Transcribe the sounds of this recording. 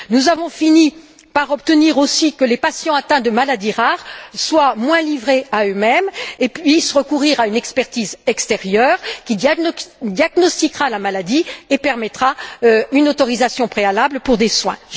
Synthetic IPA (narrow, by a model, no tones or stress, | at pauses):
nuzavɔ̃fini | paʁɔpt̪əniʁosikəlepasjɑ̃at̪ɛ̃d̪əmalad̪iʁaʁswamwɛ̃livʁeaømɛmepɥisʁəkuʁiʁaynɛkspɛʁt̪izɛkst̪eʁjœːʁkʲid̪d̪jaɡnɔst̪ikʁalamalad̪iepɛʁmɛt̪χaøynot̪ɔʁizasjɔ̃pχealablpuʁd̪eswɛ̰̃